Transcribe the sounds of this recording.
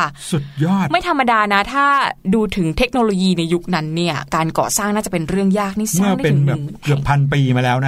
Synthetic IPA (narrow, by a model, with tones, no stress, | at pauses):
kʰa˥˩su˨˩t̪̚jɔː˥˩t̪ma˥˩jt̪ʰa˧mːa˧daː˧na˦˥t̪ʰaː˥˩duː˧t̪ʰɯ˩˦ŋt̪ʰe˦˥k̚noː˧loː˧jiː˧na˧jːu˦˥k̚na˦˥nːi˥˩ɐkaː˧nkɔ̰ː˨˩saː˥˩ŋnaː˥˩t͡ɕa˨˩pe˧nɾɯ˥˩əŋjaː˥˩k̚ni˥˩smɯ˥˩ɐa˥pe˧nbɛː˨˩p̚kɯ˨˩əpʰːa˧np̬iː˧maː˧lɛː˦˥wna˦˥